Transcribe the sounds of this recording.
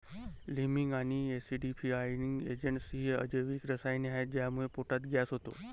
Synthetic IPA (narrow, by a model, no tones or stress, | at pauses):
limiŋɡaːniesiɖipʰiajnɪŋɡḛːd͡ʒəɳʈsɦiə̰d͡ʒeʋiːkɾəsajneaɦed͡ʑeɦamuɦepoʈat̪ɡaːsɦot̪o̰